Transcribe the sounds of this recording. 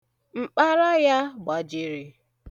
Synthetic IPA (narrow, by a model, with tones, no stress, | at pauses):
ŋ͡m̩˨k͡pa˦ɾa˦ja˦ɡ͡ba˨d͡ʒɪ˦ɾi˨